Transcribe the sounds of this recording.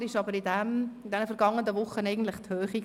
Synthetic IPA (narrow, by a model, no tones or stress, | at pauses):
ɪʃɑbəɾɪdɛmɪdɛnəfɛɾɡɑŋːənəvʊχənɛɪɡən̩tlɪχthøːχi